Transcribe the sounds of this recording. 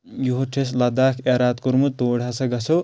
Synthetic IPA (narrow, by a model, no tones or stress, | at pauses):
juɦoʈʰeslad̪akʰaɾat̪̚kuɾmut̪oɽʱɦasʌɡʌsʰo